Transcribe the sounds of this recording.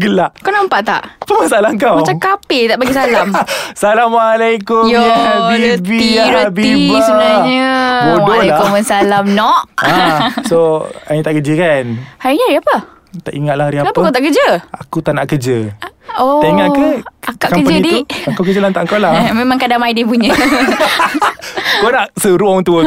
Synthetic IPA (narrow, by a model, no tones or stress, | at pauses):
ɡəlaʔkawnampaʔt̪a̰ʔpəmasaalaəŋkawmat͡ʃakapet̪aʔbaɡisalamsalamalakʊmjoaibiaɾabiiusəbənaɲəbowdolakɔmənsalamnɔʔasoajət̪aʔkəd͡ʒəkanhaɾiɲəɾiapə | t̪aʔiŋat̪̚lahaɾiaapəkawt̪aʔkəd͡ʒəakut̪aʔnaʔkəd͡ʒəoeŋaʔkəakaʔkaməd͡ʒaədiuəŋkawkəd͡ʒəlant̪aʔŋkawlamemãŋkadamaidipuɲə | konaʔsəɾuɔŋt̪uə